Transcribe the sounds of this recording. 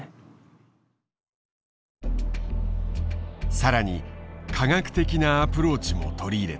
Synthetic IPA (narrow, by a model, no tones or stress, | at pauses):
saɾaɲ̟ikʰaɡakɯ̟̥t̪e̞kʲinaːpɯ̟ɾo̞ːt͡ɕimo̞̰t̪o̞ɾʲiːɾe̞